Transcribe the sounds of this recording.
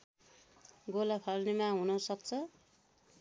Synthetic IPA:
ɡolapʰʌlnemaɦunʌsʌk̚t͡sʰʌ

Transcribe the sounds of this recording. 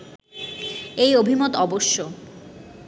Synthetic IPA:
ejobʱimot̪ɔboʃːo

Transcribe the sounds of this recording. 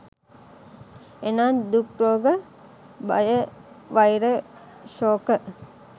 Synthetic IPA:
enaːnd̪ukɾoːɡə | ba̰jə | ʋajɾə | ʃoːkə

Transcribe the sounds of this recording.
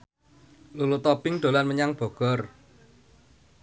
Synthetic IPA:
lulut̪ɔpɪŋd̪̥o̤lanməɲaŋb̥ɔ̤ɡ̥ɔr

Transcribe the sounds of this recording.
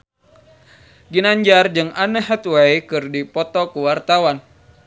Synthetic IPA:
ɡinaɲd͡ʒard͡ʒɨŋanəɦɛt̪wajkɨrdipɔt̪ɔkuwart̪awan

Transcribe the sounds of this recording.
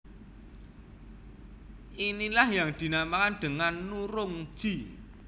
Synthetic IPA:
ʔinilahjaŋd̪̥i̤namakanɖ̪̥ə̤ŋanːuɾʊŋ̥ʒ̥i

